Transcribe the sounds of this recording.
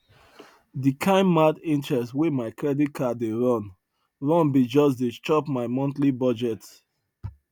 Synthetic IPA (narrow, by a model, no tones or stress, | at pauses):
dikʰãɪ̃mːadĩntɹɛstwemaɪkʰɹɛdit̚kʰadeɹɔ̃n | ɹɔ̃nbid͡ʒɔsdet͡ʃɔpmaɪmɔ̃ntlibɔd͡ʒɛt